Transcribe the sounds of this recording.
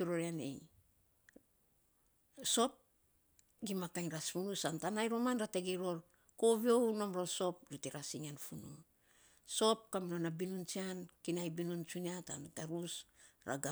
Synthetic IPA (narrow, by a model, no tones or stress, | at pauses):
kiɾoɾianḛj | so̞p̚ | ɡimakaŋɾasfunusantanajɾo̞manɾateɡiɾo̞ɾ | ko̞βio̞wno̞mɾo̞so̞p̚ɾitiɾasiŋanfunṵn | so̞p̚kaminonabinunt͡ʃiankinajbinunt͡ʃuniata̰ntaɾusɾa̰ɡa